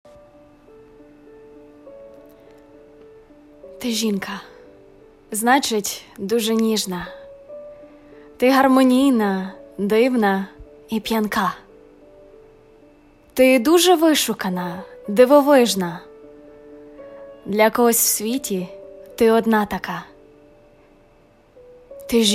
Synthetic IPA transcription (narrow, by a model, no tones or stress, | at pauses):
t̪ɪʒʲinkɐ | znɑt͡ʃɪtʲd̪uʒɛnʲiʒnɐ | t̪ɪɦɐrmɔnʲijnɐd̪ɪwnɐ | ipʲjɐnkɑ | t̪ɪd̪uʒɛʋɪʃʊkɐnɐd̪ɪʋɔʋɪʒnɐ | d̪lʲɐkɔɦɔsʲw̥sʲʋʲitʲit̪ɪɔd̪nɑt̪ɐkɑ | t̪ɪ